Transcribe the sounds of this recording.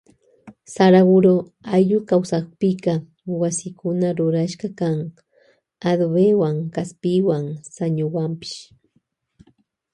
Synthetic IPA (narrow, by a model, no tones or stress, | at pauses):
saɾawʊɾo | ajʎʊkawsaχpɪkɑ | wasɪkʊnaɾʊɾaʃɢɑkaŋ | ad̪bewaŋkaspɪwaŋsaɲʊwampɪ̥ʃ